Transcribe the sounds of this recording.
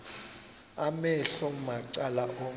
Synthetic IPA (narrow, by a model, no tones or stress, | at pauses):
amɛɬɔmaǀalaʔo